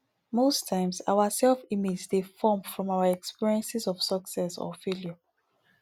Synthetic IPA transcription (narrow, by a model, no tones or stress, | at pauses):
mostʰãɪ̃msa̰ʊasɛlfimed͡ʒzdefɔmfɹɔ̃mawaɛkspiɹiɛ̃nsisɔfv̥sɔksɛsɔ̰feljo